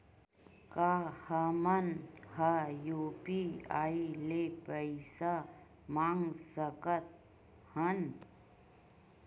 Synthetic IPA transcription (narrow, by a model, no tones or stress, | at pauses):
kaːhəmənhajuːpiaːilepəɪsa | maːŋɡsəkət̪̚ | hən